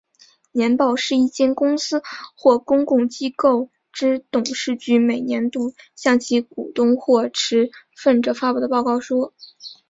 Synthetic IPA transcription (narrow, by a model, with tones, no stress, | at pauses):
njɛ˧˥npɑ˥˩ʊʂɻ̩˥˧i˥˩t͡ɕjɛ˥˩nkʊ˥ŋsɹ̩˥xwɔ˥˩kʊ˥ŋkʊ˥˩ŋt͡ɕi˥ko˥˩ʊ | ʈ͡ʂɻ̩˥t̪ʊ˨˩ŋʂɻ̩˥˩t͡ɕy˧˥me˨˩ɪnjɛ˧˥nt̪u˥˧ɕjɑ˥˩ŋt͡ɕʰi˧˥ku˨˩t̪ʊ˥ŋxwɔ˥˩ʈ͡ʂʰɻ̩˧˥fə˥˩nʈ͡ʂɤ˨˥˩fa˥pu˥˩d̪ə˩pɑ˥˧ʊkɑ˥˩ʊʂwɔ˥